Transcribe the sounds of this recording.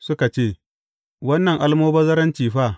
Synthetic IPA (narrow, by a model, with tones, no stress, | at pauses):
sʊ˦ka˨t͡ʃeː˦˨ | wɐ˦nːɐ˨ŋʔa˦lmoː˦bɐ˦zɐ˦ɾɐ˦nt͡ʃiː˨ɸaː˦˨